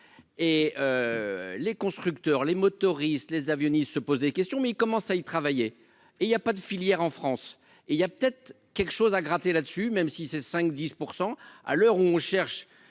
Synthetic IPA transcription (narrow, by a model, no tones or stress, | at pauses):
eølekɔ̃st̪χykt̪œʁlemɔt̪ɔʁist̪lezavjɔnist̪səpozd̪ekʲɛst̪jɔ̃mɛilkɔmɑ̃sait̪χavaje | eiljapad̪əfiljɛʁɑ̃fχɑ̃s | eiljapə̥t̪ɛt̪χ | kʲɛlkə̥ʃozaɡʁat̪elad̪əsymɛmsisɛsɛ̃kd̪ispuʁsɑ̃a̰lœʁuɔ̃ʃɛʁʃ